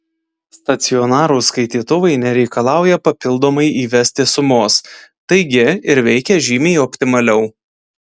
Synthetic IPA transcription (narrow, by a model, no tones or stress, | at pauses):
st̪ɐt̪sʲɪɔnɑːɾuːskɐɪt̪ʲiːt̪ʊʋɐɪnʲɛɾʲɛɪkɐlˠɑˑʊjɛpɐpʲɪlˠd̪oːmɐɪʔiːʋʲɛsʲt̪ʲɪsʊmoːst̪ɐɪɡʲɪɪɾʋʲɛɪkʲɛʒʲiːmʲeɔpʲt̪ʲɪmɐlʲɛʊ